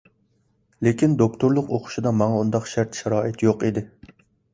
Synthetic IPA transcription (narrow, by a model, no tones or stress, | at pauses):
lekʲind̪ok̚t̪ʰoɾlˠʊqoqʰʊ̥ʃid̪ɑmɑŋɑund̪ɑqʃæɾt̪ʃɛɾɑːʔɪt̪joqid̪ɪ